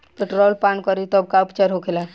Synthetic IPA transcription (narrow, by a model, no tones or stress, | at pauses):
peʈɾolpaɳkɔɾit̪ɔːb̚kaupt͡ʃəɾɦokʰela